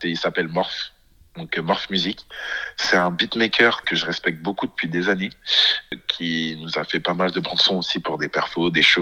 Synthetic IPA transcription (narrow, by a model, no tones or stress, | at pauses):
eilsapɛlmɔʁf | d̪ɔ̃kmɔʁfmyziksɛt̪ɛ̃bit̪mekʲʰœʁkəʒəʁɛspɛk̚t̪̚bokud̪əpɥid̪ezane | kʲʰinuzafɛpamald̪əbɑ̃d̪sɔ̃osipuʁd̪epɛʁfod̪eʃo